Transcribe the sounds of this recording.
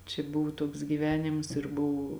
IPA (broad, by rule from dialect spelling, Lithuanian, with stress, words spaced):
t͡ʃʲɛ ˈbʊʋʊ ˈtuɔks ɡʲiːˈʋʲæːnʲɪms ɪr ˈbʊʋʊ